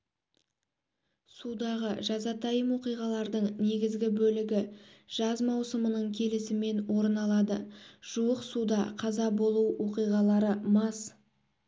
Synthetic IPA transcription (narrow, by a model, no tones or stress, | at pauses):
sud̪ɑʁəʒɑzɑt̪ʰɑjəmwo̞qijʁɑlˠɑɾd̪əɴne̞ɡʲɪzɡʲɪbɵlɪɡʲɪʒ̥ɑzmɑwsəmənəɴkʲʰe̞lɪsɪme̞nwo̞ɾənɑlˠɑd̪əʒ̥uwəqsud̪ɑqʰɑzɑbo̞lˠuwwo̞qijʁɑlˠɑɾəmɑs